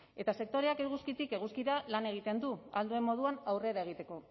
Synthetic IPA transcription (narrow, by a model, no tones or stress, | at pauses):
e̞t̪ase̞k̚t̪o̞ɾe̞akeɣ̞uskit̪ike̞ɣ̞uskiðalane̞ɣ̞it̪e̞nd̪uald̪ue̞mːo̞ð̞uanawre̞ɾae̞ɣit̪e̞ko̞